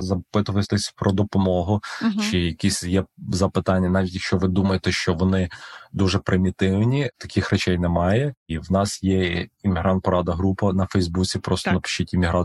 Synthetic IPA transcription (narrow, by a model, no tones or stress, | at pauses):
zɐpɪt̪ʊʋɐt̪ɛsʲpɾɔd̪ɔpɔmɔɦʊt͡ʃɪjɐkʲisʲjɛzɐpɪt̪ɑnʲːɐnɑʋʲitʲjɐkʃt͡ʃɔʋɪd̪umɐjet̪ɛʃt͡ʃɔʋɔnɪd̪uʒɛpɾɪmʲit̪ɪwnʲit̪ɐkʲʰɪxrɔt͡ʃɛjnɛmɑjɛiwnɑsjɛimʲɪɦɾɑnt̪̚pɔɾɑd̪ɐɦɾupɐnɐfɛjzbut͡sʲipɾɔst̪ɔnɐpɪ̥ʃt͡ʃɪtʲimʲiɦɾɑ